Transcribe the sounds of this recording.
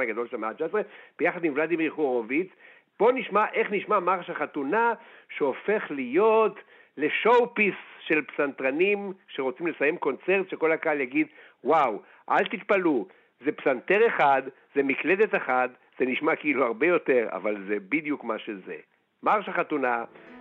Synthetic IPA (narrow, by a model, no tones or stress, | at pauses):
aɡad̪o̞lʃemeat͡ʃaesʁeb̥ejaχad̪mimvlad̪imʁiχuʁovit͡s | b̥o̞niʃmaʔe̞χniʃmamaʁʃhaχat̪unaʃeo̞fe̞χlijo̞t̪ | le̞ʃo̞wpisʃe̞lpsant̪ʁanimʃe̞ʁo̞t͡simlesaje̞mko̞nt͡se̞ʁtʃe̞ko̞lakaljaɡid̪ | waw | ʔa̰lt̪it̪palu | zepsant̪e̞ʁe̞χad̪ | ze̞mikle̞d̪et̪eχad̪ | z̥e̞niʃmakiiluaʁbe̞jo̞te̞ʁa̰valzebid̪jukmaʃeze̞̰ | maʁʃaχat̪una